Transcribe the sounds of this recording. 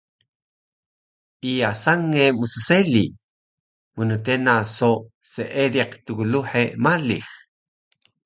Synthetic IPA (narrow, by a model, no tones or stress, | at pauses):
ʔiasaŋːemusəseli | munətenaso | seʔediqt̪uɣuluħemalix